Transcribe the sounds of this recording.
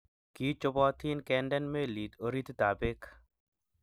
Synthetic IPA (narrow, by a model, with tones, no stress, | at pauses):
ki˦t͡ʃʊ˧bɔ˦t̪ʰi˦nkɛnɖɛ˦nme˦li˨t̪o˦ɾi˦t̪d̪a˨be˦k